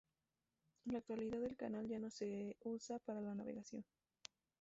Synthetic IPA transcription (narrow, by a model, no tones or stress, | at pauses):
laːk̚t̪waliðaðe̞lkanald͡ʒano̞se̞usapaɾalanaβe̞̰ɣasjo̞n